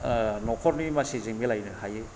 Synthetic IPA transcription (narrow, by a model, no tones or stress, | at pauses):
nɔkʰɔɾnimasizeŋmilajnɯhajɯ